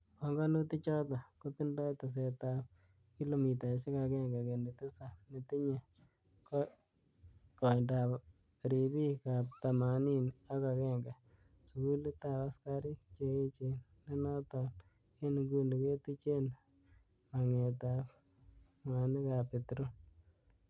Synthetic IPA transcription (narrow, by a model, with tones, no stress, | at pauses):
ɔ˨ŋɡɔ˦nʊ˦tɪ˦t͡ʃɔ˦ta˨ku˦pɪ˦ndɔ˦ta˨s̬e˨ta˦p̚ | ki˦lo˨mi˨ta˨se˦ka˨kɛ˦ŋɡa˨ke˨nɪ˨tɪ˦sa˨nɪ˨tɪ˦ɲe˨ | kɔ˦ | kɔ˨nda˨p | ɾi˨bi˦ka˨p̚tama˨ni˦na˦ka˨kɛŋɡa˨ | su˨ku˦le˦ta˨pa˦skaɾi˦t͡ʃe˨e˦t͡ʃe˨n | nɛ˦nɔ˦tɔ˨n | e˦nɡu˦ni˨ke˦tu˦t͡ʃe˦n | ma˨ŋe˨ta˨p | ma˨nɪ˦ka˨pːe˨teɾo˦